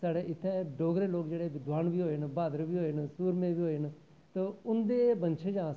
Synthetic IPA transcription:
saːɽeːʔɪt̪ʰːeɖoːɡɾeːloːkd͡ʒeːɽed̪ʋaːnbiːɦoːnbaːd̪ɾbiːɦoːensuːɾmẽːbiːɦoːen | t̪oʊnd̪eːbənt͡ʃʰeːd͡ʒãː

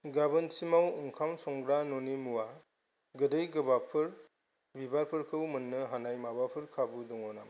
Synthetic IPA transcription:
ɡabɯnsimawɯŋkʰamsɔŋɡɾanɔnimuwa | ɡɯdɯjɡɯbapʰɯɾ | bibaɾpʰɯɾkʰɯwmɯnːɯɦanajmabapʰɯɾkʰabudɔŋɔnam

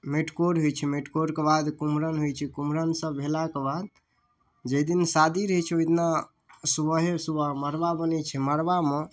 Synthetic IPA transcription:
meʈkoɾɦojt͡ʃʰɛmeʈkoɾkebad̪kumɾənɦojt͡ʃʰɛkumɾənsə̃bʱelakebad̪ | d͡ʒed̪insad̪iɾɦəjt͡ʃʰɛojt̪na | subəɦesubəɦməɾbabənɛt͡ʃʰɛməɾbame

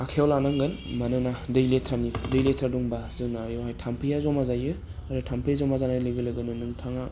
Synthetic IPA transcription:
akʰeɔlanaŋɡɯnmanɯnadɯjletʰɾanidɯjletʰɾaduŋbazɯnajɔwhajtʰampʰɯjazɔmazajɯ | aɾɯtʰampʰɯjazɔmazanalɯɡɯlɯɡɯnɯnɯŋtʰaŋa

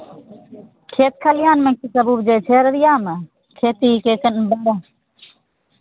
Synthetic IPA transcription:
kʰeːt̪̚kʰəlɪjaːnmẽkisəbuːbd͡ʒeːt͡ʃʰeːɾɾɪjaːmə | kʰeːt̪iːkeːkənbəɾaː

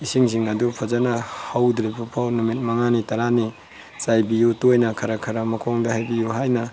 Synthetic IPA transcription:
isiŋsiŋadupʰazanɐhawdɾijpʰupʰawnumit̚maŋanitɐɾani | zajbijutojnɐkʰɐɾakʰaɾamɐkʰɔŋdahajbijuɦajnɐ

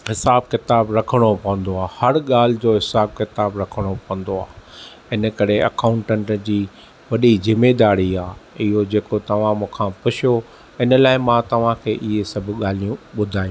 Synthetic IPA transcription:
ɦɪsaːb̚kɪt̪aːbɾɐkʰəɽ̃opɐ̃ʋə̃nd̪oaːhɐɾɠaːl̤ɪd͡ʑoːɦɪsaːb̚kɪt̪aːbɾɐkʰəɽ̃opɐə̃nd̪oaː | ɪnə̆kɐɾeɐ̰kaːʊ̃ɳʈə̃ɳʈd͡ʑiː | ʋɐɗizɪmed̪aːɾiaːɪɦod͡ʑeːkot̪ɐʋ̤ãmũːkʰãpʊʃʰjo | ɪnəlaːɪmãt̪ɐʋ̤ãkʰeːʔɪɦesɐbʱɠaːl̤ijũɓʊd̪ʱaːjũː

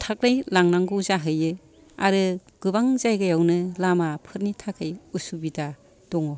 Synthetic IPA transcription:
tʰak̚nɯjlaŋnaŋɡɯzaɦɯjɯ | a̰ɾɯɡ̥ɯbaŋzajɡajawnɯlamapʰɯɾnitʰakʰɯjusubida | d̥ɔŋɔ

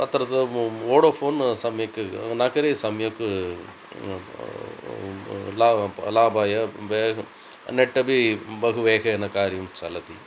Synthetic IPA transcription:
ɐt̪ːɐɾɐd̪ɐoːɽoːpʰoːnsɐmjɐkːɨnaːkɐɾesɐmjɐkːɨ | laːlaːbaːjɐʋe | neʈːɐbibɐɣuʋeːɣɐɐnɐkaːɾjɐmt͡ʃɐlɐd̪i

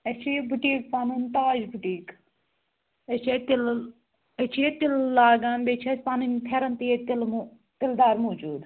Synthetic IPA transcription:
ɐt͡ʃʰibʱuʈiːkpaːnunt̪aːd͡ʒbʱuʈiːk | ɐt͡ʃʰet̪ɪl | ɐt͡ʃʰiet̪illaːɡaːnbet͡ʃʰɐspaːnint̪ʰeːɾɐnt̪iet̪ɪlm | t̪ɪld̪aːɾmoːd͡ʒuːd̪

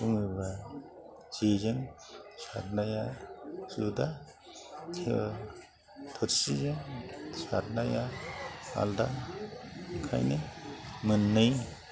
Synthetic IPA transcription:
suŋɯɾba | d͡ʒezɯŋ | sa̰ɾnajasuda | tʰe | tʰɯɾsizɯŋsa̰ɾnaja | a̰lda | kʰa̰jnɯmɯnːɯj

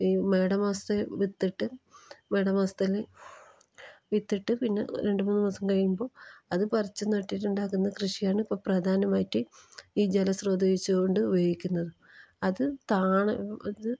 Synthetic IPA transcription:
iːme̞ːɽɐmaːst̪eʋit̪ːiʈːɨme̞ːɽɐmaːst̪ɐle | ʋit̪ːiʈːɨpinːe̞̰ɾe̞ɳɖɨmuːnːɨmɐsɐmkɐɻjumbo̞ːɐðɨpɐrit͡ɕːunɐʈːiʈːuɳɖaːkːunːɐkrɨʂijaːɳɨipːɐːprɐd̪ʱaːnɐmaːjitːɨiːd͡ʑelɐsroːd̪ʱɐjit͡ɕːuko̞ɳɖɨubʱɐjikʲːunːɐðɨ | ɐðɨt̪aːɳɐɐðɨ

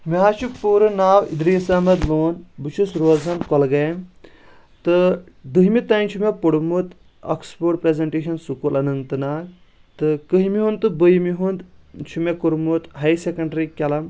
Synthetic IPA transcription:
miɦaːt͡ʃukpuːɾɨnaːwḭd̪ɾiːsamɐd̪loːnbɨt͡ʃʰusɾoːzɐnkɔlɡɐjm | t̪ɨ | d̪ɨɦimit̪ant͡ʃʰumepoɽmut̪ | ɐ̰kspoɾʈ̚pɾezeɳʈeːʃɐnsukulɐnɐnt̪ɨnak | t̪ɨkɨɦimiɦunt̪ɨbəjmiɦund̪t͡ʃʰumekuɾmut̪ɦajsekɐɳɖɾikʲɐlɐm

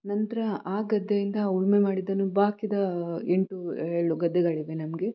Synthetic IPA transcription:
nɐnt̪ɐɾɐaːɡɐd̪ːejind̪ɐuɭmemaːɽid̪ːɐnubaːkid̪ɐeɳʈueːɭuɡɐd̪ːeɡaːɭiʋenɐmɡe̞

